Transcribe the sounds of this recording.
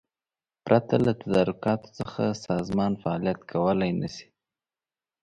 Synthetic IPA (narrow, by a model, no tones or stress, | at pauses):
pɾʔat̪alat̪ad̪ɑɾʊkɑt̪o̥t͡səxa̰sɑzmɑnfaɑlijat̪kʰawəlajnasi̥